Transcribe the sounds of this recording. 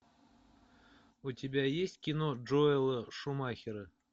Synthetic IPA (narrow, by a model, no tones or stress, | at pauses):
utʲɪbʲajesʲtʲkʲinoʐoɪlˠəʂumaxʲɪɾɨ